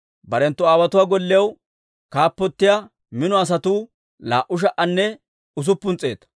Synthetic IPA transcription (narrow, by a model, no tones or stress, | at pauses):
bɐɾɛnt̪ːʊaːwɐt̪ʊwaːɡɔlːɛjɐw | kaːpːɔt̪ːɪja | mɪnɔɐs̬ɐt̪uː | la̰ːʔʊʃ̬ɐʔɐnːɛ | ʊs̬ʊpːʊnt͡sʼːe̞̰ːt̪ɐ̥